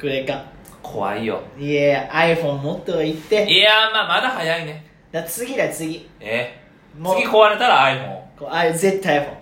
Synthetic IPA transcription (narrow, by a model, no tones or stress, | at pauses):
kɯ̟ɾekã | kʰo̞̰βa̰ijo̰jeaiɸõ̞mːot̪ːoait̪ːe̞eamaːmad̪ahajaine̞ | d̪̥at͡sɨɡʲid̪at͡sɨɡʲie | mokiko̞βaɾe̞t̪aɾaːiɸõ̞̰ŋkoaizet̪ːaiɸõ̰ŋ